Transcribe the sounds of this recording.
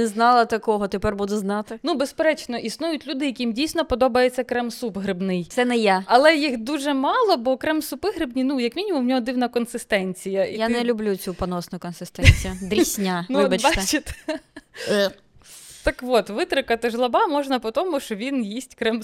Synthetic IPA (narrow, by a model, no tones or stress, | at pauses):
nɛznɑlˠɐt̪ɐkɔɦɔt̪epɛrbud̪ʊznɑt̪ɪnubespeɾɛt͡ʃnɔʔisnujʊtʲlʲud̪ɪjɐkʲimdʲijsʲnɔpɔd̪ɔbɐjet͡sʲːɐkɾɛmsubɦɾɪbnɪjt̪sɛnɛjaɐlˠɛjixd̪uʒɛmɑlˠɔbɔkɾɛmsʊpɪɦɾɪbnʲinujɐkmʲinʲimumnʲɔɦɔd̪ɪwnɐkɔnsɪst̪ɛnʲt͡sʲijɐʔijanɛlʲʊblʲut͡sʲupɔnɔsnʊkɔnsɪst̪ɛnʲt͡sʲijʊd̪ɾʲisʲnʲanɪbɐt͡ʃbɑt͡ʃɪt̪ | ɛ | t̪ɐkʋɔt̪ʋɪt̪ɾɪkɐt̪ɪʒlˠɐbɑmɔʒnɐpɔt̪ɔmʊʃt͡ʃɔʋʲinjisʲtʲkɾɛm